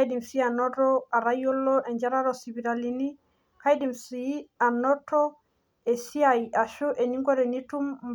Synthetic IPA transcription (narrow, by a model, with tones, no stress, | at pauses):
di˨msi˦a˨nɔ˦ɾɔa˨ɾa˦jo˦lɔ˦ʔɛ˨ɲd͡ʒa˦ɾa˦ɾɔ˨sibi˨ɾalini˦ | ka˦jdi˨msi˦a˨nɔ˦tɔ˦ | ɛ˨si˦aja˨ʃu˦ʔe˨ɲi˦ŋɡɔ˦ɾɛ˨ni˦tu˦m